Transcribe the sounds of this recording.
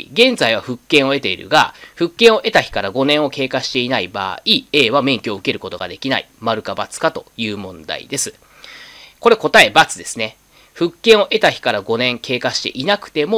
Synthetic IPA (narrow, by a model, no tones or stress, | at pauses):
ɡẽ̞nd͡zaiβ̞aɸɯ̟kːẽɰ̃o̞e̞t̪e̞iɾɯ̟̰ɡaɸɯ̟kːẽɰ̃o̞ʔe̞t̪açi̥kaɾaɡo̞nẽ̞ɰ̃o̞ke̞ːkaɕi̥t̪e̞inaiba̰ːieːβamẽ̞ŋkʲoɯ̟ke̞ɾɯ̟ko̞t̪o̞ɡa̰d̪e̞kʲina̰ḭmaɾɯ̟kabat͡sɨ̥kat̪o̞jɯ̟ːmõ̞nd̪a̰ḭd̪e̞sɨ̥ | ko̞ɾe̞ko̞t̪ae̞bat͡sɨd̪e̞sɨne̞ | ɸɯ̟kːẽ̞ɰ̃o̞ʔe̞t̪açi̥kaɾaɡo̞nẽ̞ŋkʰe̞ːkaɕi̥t̪e̞ʔinakɯ̟̥t̪e̞mo